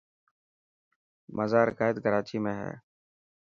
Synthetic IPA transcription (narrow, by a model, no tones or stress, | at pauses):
mʔəzaːɾəkaːɪd̪kəɾaːt͡ʃiːmẽːɦɛ̰ː